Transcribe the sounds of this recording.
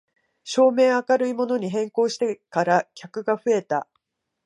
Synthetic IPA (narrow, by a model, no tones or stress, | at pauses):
ɕo̞ːme̞ːakaɾɯ̟imo̞no̞ɲ̟iɦẽ̞ŋko̞ːɕi̥t̪e̞kaɾakʲakɯ̟ɡaɸɯ̟e̞t̪a̰